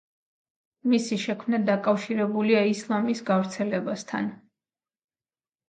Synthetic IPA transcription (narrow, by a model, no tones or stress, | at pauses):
misiʃɛkʰmnad̪akʼafʃiɾɛbuliaislˠamisɡavɾt̪sʰɛlɛbast̪ʰa̰n